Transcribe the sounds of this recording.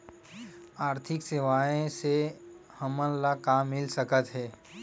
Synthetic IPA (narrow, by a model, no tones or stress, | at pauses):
aːɾt̪ʰɪkseʋaːẽsehəmə̃nlakaːmːɪlsəkət̪ɦɛː